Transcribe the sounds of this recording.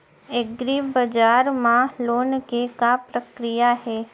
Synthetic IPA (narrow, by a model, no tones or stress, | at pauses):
eɡɾibəd͡ʒaːɾmãloːnkekapɾəkɾijaɦɛː